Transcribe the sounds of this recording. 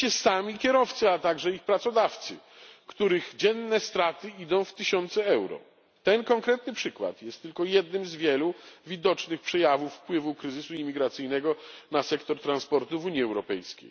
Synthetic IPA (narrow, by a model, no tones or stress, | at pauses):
ɛsamʲikʲɛɾɔft̪sɨat̪aɡʐɛixpɾat̪sɔd̪aft̪sɘ̰ | kt̪uɾɘɣd͡ʑɛnːɛst̪ɾat̪ɘid̪ɔ̃w̃ft̪ɘɕɔnt̪sɛɛwɾɔ̰ | t̪ɛnkɔŋkɾɛt̪nɘpʂɘkwa̰t̪jɛst̪ːɘlkɔjɛd̪nɘmzvʲjɛluvʲid̪ɔt͡ʂnɘxpʂɛjavufːpwɘvukɾɘzɘsuimʲiɡɾat̪sɘjnɛɡɔnasɛkt̪ɔɾt̪ɾanspɔɾt̪uvuɲjiɛwɾɔpɛjskʲḛj